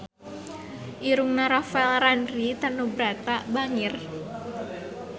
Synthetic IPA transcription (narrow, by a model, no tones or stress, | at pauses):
ʔiɾuŋnaɾafɛlranrit̪ənubɾat̪abaŋɪr